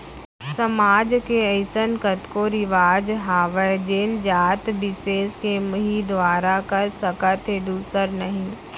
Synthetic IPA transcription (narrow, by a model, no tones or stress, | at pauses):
sɐmaːd͡ʒkeəɪsənkət̪koɾɪʋaːd͡ʒɦaːʋəd͡ʒeːnd͡ʒaːt̪bɪseːskemɐɦid̪ʋaːɾakɐɾsəkət̪ʰed̪uːsəɾnɐɦĩː